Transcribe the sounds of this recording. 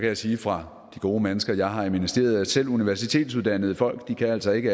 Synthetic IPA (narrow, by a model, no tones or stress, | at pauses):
kʰæjɑ̈ɪsiːfʁɑ̈ | d̥iɡ̥o̝ːmenəsɡ̥ɐjɑ̈ɪɦɑ̈iminəsd̥e̝̰ːɐð̞ˠæ̥sel̰uniʋæɐsit͡sʰe̝̰ːd̥suð̞ˠd̥æn̰əð̩ˠəfɒ̽l̰ɡ̥d̥ikʰææl̰sɒ̽e̝ɡ̥ə